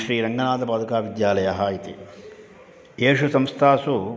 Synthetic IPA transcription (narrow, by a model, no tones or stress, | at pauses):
ʃɾiːɾɐŋɡɐnaːd̪ʱɐpaːd̪ɐkaːʋid̪jaːlɐjɐɦaːjit̪ḭ | eːʂusɐmst̪ʰaːsu